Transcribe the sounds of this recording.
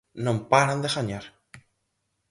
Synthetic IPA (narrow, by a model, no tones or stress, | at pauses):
nõmpaɾand̪eɣaɲaɾ